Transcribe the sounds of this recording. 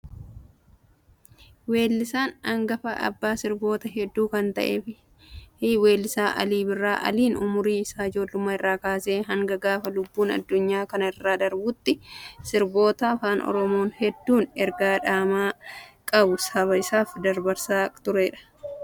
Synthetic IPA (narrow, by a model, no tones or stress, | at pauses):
we̞ːlːɪsaːnɐŋɡɐfɐ̰ʔɐ̰bːaːsɪɾbo̞ːt̪ɐɦɛd̪ːuːkɐnt̪ɐ̰ʔe̞̰ːfɪ | hwe̞ːlːɪsaːʔɐ̰liːbɪrːaːʔɐ̰liːnʊmʊɾiːɪsaːɪd͡ʒo̞ːlːʊmaːɪrːaːkaːseːɦɐŋɡɐɡaːfɐlʊbːuːnɐ̰d̪ːʊɲːaːkɐnɐɪrːaːd̪ɐɾbuːt̪ːɪsɪɾbo̞ːt̪ɐːfaːnɔ̰ɾɔmo̞ːnhɛd̪ːuːnɛɾɡaːᶑaːmaːkʼɐbʊsɐβɐɪsaːfd̪ɐɾbɐɾsaːt̪ʊɾeːᶑɐ̥